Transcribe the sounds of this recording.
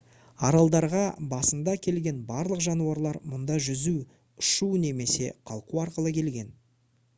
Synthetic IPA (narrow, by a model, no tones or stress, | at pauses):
ɑɾɑlˠd̪ɑɾʁɑbɑsənd̪ɑkʲʰe̞lɡʲe̞nbɑɾlˠəqʒɑnuɑɾlˠɑɾmʊnd̪ɑʒʏzu | ʊʃune̞me̞se̞qʰɑlˠquɑɾqəlˠəkʲʰe̞lɡʲe̞n